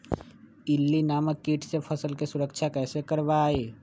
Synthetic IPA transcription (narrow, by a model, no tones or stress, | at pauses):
ɪlːinaːməkːiːʈʰsepʰəsəlkesʊɾəkt͡ʃʰakɛːsekəɾbaːe